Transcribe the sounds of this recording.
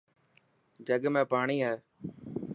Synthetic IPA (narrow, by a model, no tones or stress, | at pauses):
d͡ʒəɠmẽːpaːɳiːɦɛː